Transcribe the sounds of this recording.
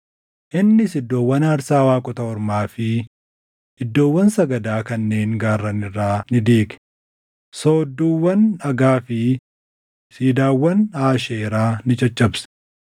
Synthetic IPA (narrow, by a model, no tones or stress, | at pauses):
ʔɪnːɪsɪd̪ːo̞ːwːɐnɐɾsaːwaːkʼʊt̪ɐɔɾmaːfɪ | ɪd̪ːo̞ːwːɐnsɐɡɐd̪aːkɐnːe̞ːŋɡaːrːɐnɪrːaːnɪd̪eːɡɛ̥ | soːd̪ːuːwːɐnɐɡaːfɪ | siːd̪aːwːɐnaːʃeːɾaːnɪt͡ʃʼɐt͡ʃʼːɐbs